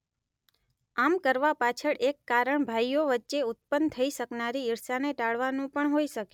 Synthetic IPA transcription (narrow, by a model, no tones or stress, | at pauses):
amkəɾʋapat͡ʃʰəɭʔekːaɾəɳbʱajoʋətːʃeʊt̪̚pənt̪ʰəiʃəknaɾiːɾʃaneʈaɭʋanũpəɳɦoiʃəke